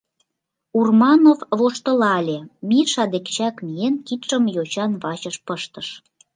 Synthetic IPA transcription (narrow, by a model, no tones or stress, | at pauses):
urmɑnovβoʃt̪ə̆lɑlʲemiʃɑd̪ekt͡ɕækmienkit̪ʃəmjot͡ɕɑnβɑt͡ɕəʃpəʃt̪əʃ